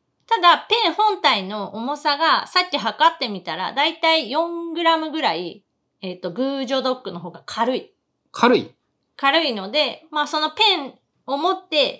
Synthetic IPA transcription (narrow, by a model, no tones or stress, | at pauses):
t̪ad̪apẽ̞ɰ̃hõ̞nt̪aino̞ʔːmo̞saɡasakʲːiɦakat̪ːe̞mʲit̪aɾa̰d̪ait̪aijõ̞ŋɡɯ̟ɾamɯ̟ɡɯ̟ɾai | et̪ːo̞ɡɯ̟ːʑo̞d̪o̞kːɯ̟no̞ɦo̞ːɡakʰaɾɯ̟i | kʰaɾɯ̟ḭ | kaɾɯ̟ino̞d̪e̞maso̞no̞pẽ̞ɰ | o̞mo̞t̪ːe̞